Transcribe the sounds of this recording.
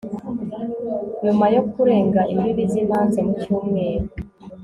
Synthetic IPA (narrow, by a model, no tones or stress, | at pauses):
ɲumajo̞kuɾe̞ːŋɡaʔimiβizin̥haːnzenicuːmŋe̞ːɾo